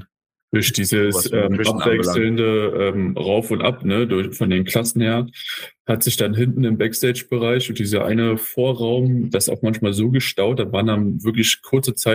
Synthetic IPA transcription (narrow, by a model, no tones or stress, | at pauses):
d̥ʊɐçd̥iːzəsʔɛːmʔapvɛksl̩ndəʔɛːmʁaʊfʊntʔa̰pnədʊɐfɔndeːnkʰl̥asn̩heːɐhatz̥ɪçd̥anɦɪntn̩ɪmbɛkstʰeɪd͡ʒb̥əʁaɪçʊnt̚d̥iːzɐʔa̰ɪnəfoːɐʁaʊmd̥asa̰ʊxmançmaːlzoːɡəʃtaʊt̚d̥aːvaːɐndanvɪɐklɪçkʰʊɐt͡sət͡saɪ